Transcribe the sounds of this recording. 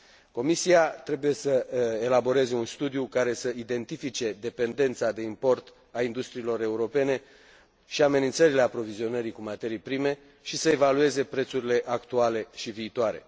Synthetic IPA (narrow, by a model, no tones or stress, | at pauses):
ko̞misiat̪ɾe̞buje̞səelabo̞ɾe̞ze̞unst̪ud̪ijukaɾe̞səid̪e̞nt̪ifit͡ʃe̞d̪e̞pe̞nd̪e̞nt̪sad̪e̞impo̞rt̪ | aind̪ust̪ɾiːlo̞ɾe̞uɾo̞pe̞ne̞ | ʃiame̞nint̪səɾile̞apɾo̞vizio̞nəɾikumat̪e̞ɾijpɾime̞ | ʃisəe̞value̞ze̞pɾe̞t̪suɾile̞ʔakt̪uale̞ʃiviːt̪oaɾe̞̰